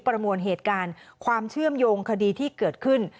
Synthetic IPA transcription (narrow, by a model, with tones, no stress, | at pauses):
pɾa˧mu˧ənɦeː˨˩t̪̚kaː˧nkʰwaː˧mt͡ɕʰɯ˥˩əmjoː˧ŋkʰa˧diː˧t̪ʰiː˥˩kɤː˨˩t̪̚kʰɯ˥˩n